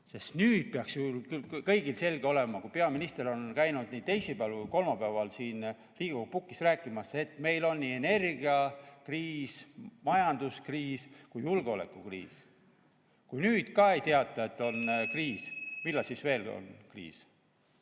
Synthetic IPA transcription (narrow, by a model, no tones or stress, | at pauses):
sest̪nyːd̪̥̚peɑksjulkylkɤjɡ̥ilse̞lɡ̥eo̞le̞mɑkujpe̞ɑminist̪eɾo̞nkæjnud̪̥niːd̪̚t̪ejsipælkujko̞lmɑpæːvɑlsiːn | riːɡ̥upukːˑisræːkːˑimɑse̞t̪me̞jlo̞nːie̞ne̞rɡiɑkriːsmɑjɑnd̪uskriːskujːulɡ̥eo̞lḛkːˑukrḭːs | kujnyːd̪̥kɑe̞jt̪eɑt̪ːˑɑe̞t̪ːˑo̞nkriːsmilːɑsisve̞ːlo̰nkrḭːs